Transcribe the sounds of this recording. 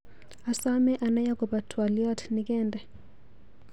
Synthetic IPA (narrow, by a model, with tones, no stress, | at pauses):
a˨sa˦mɛ˦ʔa˨na˦ja˦kɔ˨ba˨tʰwa˨li˦a˦tʰni˨kɛː˦˨ndɛ˨